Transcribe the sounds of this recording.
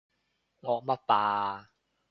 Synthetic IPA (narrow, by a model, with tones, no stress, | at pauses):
ŋɔː˧mɐ˦˥t̚paː˧